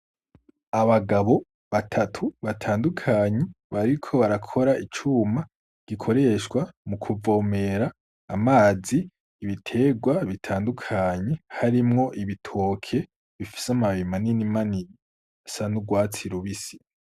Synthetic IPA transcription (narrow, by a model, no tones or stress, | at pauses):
aβaɡaβo̞ | βatʰatʰuβatʰaːndukʰaːɲe | βaɾikʰo̞βaɾakʰo̞ɾait͡ʃuma | ɡ̥ikʰo̞ɾe̞ʃkwamukʰuvo̞ːme̞ɾaː | maːziː | βitʰe̞ɡwaβitʰaːndukʰaːɲehaɾimŋo̞ʔiβitʰo̞ːkʰe̞ | βifi̥samaβimaninimani | sanuɡwaːt͡siɾuβisi̥